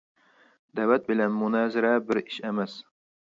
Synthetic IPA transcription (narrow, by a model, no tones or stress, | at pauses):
d̪̥æwæt̪̚bɪlænmʊnæzɪɾabɪɾɪʃemæs